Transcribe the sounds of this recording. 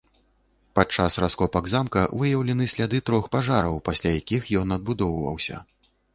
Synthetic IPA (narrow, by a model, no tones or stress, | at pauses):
pat͡ʂasraskɔpɐɡzamkɐvɨjɐwlʲɛnɨsʲlʲad̪ɨt̪ɾɔxpaʐaɾɐwpasʲlʲajakʲixjɔnɐd̪̚bud̪ɔwvɐ̰wsʲɐ̰